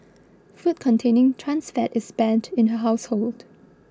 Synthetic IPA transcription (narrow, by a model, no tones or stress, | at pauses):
fut̚kʰɔ̃ntʰẽnɪ̃ŋtʰɹãnsfɛtɪsbɛ̃ntʰɪ̃nɦəɦaʊshold̥